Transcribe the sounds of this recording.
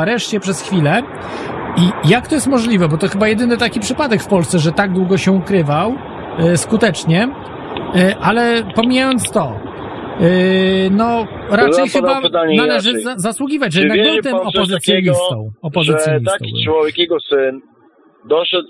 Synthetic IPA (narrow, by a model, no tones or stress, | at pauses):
aɾɛʂt͡ɕɛpʂɛsxfʲilɛ | ijak̚t̪ɔjɛst̪mɔʐlʲivɛbɔt̪ɔxɘbajɛd̪ɘnɘt̪akʲipʂɘpad̪ɛkfpɔlst̪sɛʐɛt̪aɡ̚d̪wuɡɔɕɛukɾɘvaw | skut̪ɛt͡ʂɲɛ | ʔalɛpɔmʲijajɔnt̪st̪ɔ | nɔ | ɾat͡ʂɛjxɨd̪baapt̪aɲnalɛʐɘazaswuɡʲivat͡ɕjɛnaɡmɔt̪ɛɔpɔzɨt̪sʲjɔɲist̪ɔwɔpɔzɨtsjɔɲit̪sak̪ʲiwɔvʲjɛkjɛɡɔsɘn | d̪ɔʂɛt̪